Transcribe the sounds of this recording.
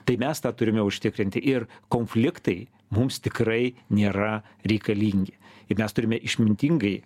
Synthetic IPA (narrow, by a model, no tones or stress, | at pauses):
t̪ɐɪmʲɛst̪ɑːt̪ʊɾʲɪmʲɛʊʃʲt̪ʲɪkɾʲɪnʲt̪ʲɪʔɪrkoːnʲfʲlʲɪkt̪ɐɪ | mʊmst̪ʲɪkrɐɪnʲeːɾɐ | ɾʲɛɪkɐlʲiːŋʲɡʲɪɪmʲɛst̪ʊɾʲɪmʲɛʔɪʃʲmʲɪnʲt̪ʲiŋɡɐɪ